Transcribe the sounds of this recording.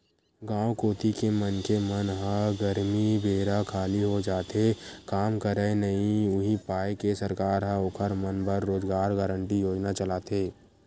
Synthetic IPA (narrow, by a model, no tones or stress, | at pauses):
ɡãːwkoːt̪ikemənkemənɦə̃ɡəɾmibʱeːɾakʰaːliɦod͡ʒaːt̪ekaːmkəɾenɐɦĩʊɦipaːekesəɾkaːɾɦəoːkʰəɾmənpəɾːoːd͡ʒɡaːɾɡaːɾəɳʈijoːd͡ʒnat͡ʃəlaːt̪eː